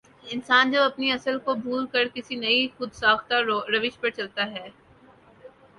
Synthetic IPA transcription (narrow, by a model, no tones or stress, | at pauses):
ɪnsaːnd͡ʒɐbɐpniɐsəlkobʱuːlkɐɾkɪsinɐixʊd̪saːxt̪aɾɐʋɪʃpɐɾt͡ʃɐlt̪aɦɛː